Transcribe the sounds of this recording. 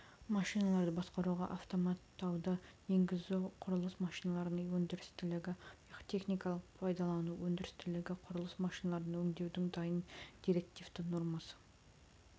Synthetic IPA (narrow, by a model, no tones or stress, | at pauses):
mɑʃijnɑlˠɑɾd̪əbɑsqɑɾuʁɑ̰ʔɑft̪o̞mɑt̪ːɑwd̪əje̞ŋɡʲɪzuqʰʊɾəlˠəsmɑʃijnɑlˠɑɾənɑwɵnd̪ɪɾɪ̥st̪ɪlɪɡʲɪqt̪ʰe̞χnijkɑlˠəqpʰɑjd̪ɑlˠɑnuwɵnd̪ɪɾɪst̪ɪlɪɡʲɪqʰʊɾəlˠəsmɑʃijnɑlˠɑɾənɑɵŋd̪e̞wd̪ɪŋd̪ɑjənd̪̥ijɾe̞k̚t̪ift̪ənoɾmɑsə̥